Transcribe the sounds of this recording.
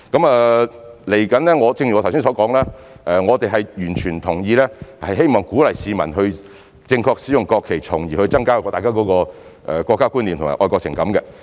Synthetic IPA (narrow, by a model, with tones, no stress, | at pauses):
kɐ˨˥mɐː˨le˨˩jkɐ˨˥nlɛː˥ŋɔː˨˧t͡sɪ˧ŋʰ˨˧˨wsi˥sɔː˨˥kɔː˨˥ŋlaː˥ | ʔɛː˨ŋɔː˨˧t̪e˨jɦɐ˨jjyː˨˩nt͡ʃʰyː˨˩nt̪ʰʊ˨˩ŋjiː˧lɛː˥hɐ˨jɦe˥jmɔː˨ŋkuː˨˥lɐ˨jsiː˨˧mɐ̰˨˩nɦɵ˧ɥ | t͡sɪ˧ŋkʰɔː˧k̚siː˨˥jʊ˨ŋkɔː˧kʰːe˨˩jt͡sʰʊ˨˩ŋjiː˨˩hɵ˧ɥt͡sɐ˥ŋkaː˥˨ɔ˧t̪aː˨kaː˥kɔː˨˥kɔː˧ʔɛ̰˨kɔ˧kːaː˥kuː˥nli˨mt̪ʊ˨ŋa̰ː˨˩ʔɔː˧kɔː˧k̚t͡sʰɪ˨˩ŋkɐ˨˧˥mkɛ˧